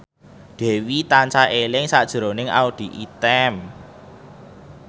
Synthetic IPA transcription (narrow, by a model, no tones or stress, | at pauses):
d̪̥ɛ̤wit̪aɲt͡ʃaʔelɪŋsaʔd̥ʒ̥əɾo̤nɪŋa̰ud̪̥i̤ʔit̪ɛm